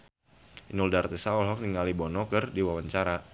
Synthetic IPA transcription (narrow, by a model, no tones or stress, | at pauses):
inuldart̪ɛsaɔlɦɔk̚niŋalibɔnɔkərdiwawaɲt͡ʃaɾa